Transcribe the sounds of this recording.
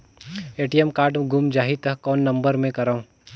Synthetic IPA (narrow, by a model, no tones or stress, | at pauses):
eːʈijɛmkaːɾʈɡʱumd͡ʒaːɦit̪ɐkɔːnːɐ̃mbəɾmẽkɐɾaũ